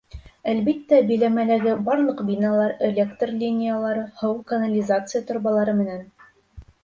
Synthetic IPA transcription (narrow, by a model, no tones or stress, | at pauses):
ælbit̪ːæbɘ̆jlæmælæɡɘbɑɾlˠɤqbinɑlˠɑɾelʲekt̪rlʲinʲɪjalˠɑɾɤhɤwkɐnalʲizat̪sɨjat̪ŏɾβɑlˠɑɾɤmɘ̆næn